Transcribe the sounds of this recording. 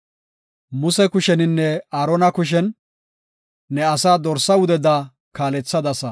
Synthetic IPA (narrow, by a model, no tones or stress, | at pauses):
mʊsɛkʊʃɛnɪnːɛaːɾɔnɐkʊʃ̬ɛn | ɛɐsaːd̪ɔɾsɐʊd̪ɛd̪a | kaːlɛt͡sːɐd̪ɐsɐ